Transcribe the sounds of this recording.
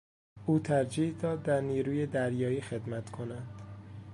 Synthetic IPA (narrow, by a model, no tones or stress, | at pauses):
ʔuːt̪ʰæɾd͡ʒiːhd̪ɒːd̪ːæɾniːɾuːjed̪æɾjɒːiːxe̞d̪mæt̪kʰonænd̪̥